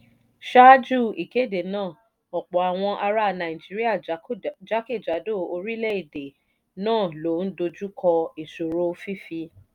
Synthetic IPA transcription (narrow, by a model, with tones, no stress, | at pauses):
ʃa˦d͡ʒu˦˨i˨ke˨˦˨de˨nãː˦˨ | ɔ˨k͡pɔ˨a˨w̃ɔ̃˧ʔa˧ɾa˧˨nã˨i˨d͡ʒi˨˦ɾi˦a˦˨d͡ʒa˨˦ke˦˨d͡ʒa˨˦do˦˨o˧ɾi˦lɛ˦i˨de˨ | nãː˦˨lo˨˦n̩˦do˧d͡ʒu˦kʰɔ˧i˨so˨ɾo˦fi˦fi˧